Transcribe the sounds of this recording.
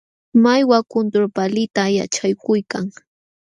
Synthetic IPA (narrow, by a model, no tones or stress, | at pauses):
majwakʊnt̪ɾopalɪt̪aja̰t͡ʃajkʊjkaŋ